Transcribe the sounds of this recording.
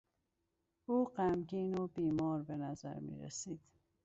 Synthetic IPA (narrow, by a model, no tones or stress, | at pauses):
uːɢæmɡiːnobiːmɒːɾbe̞næzæ̰ɾmḭːɾḛsiːd̪̥